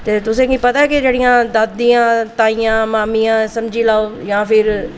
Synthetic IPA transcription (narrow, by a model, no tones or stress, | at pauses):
t̪eːt̪ʊsẽːkĩːpət̪akɪd͡ʒeːɽijãːd̪ad̪ijãːt̪aːijãːmaːmijãːsəmd͡ʒiːlaːoːjãːpɪɾ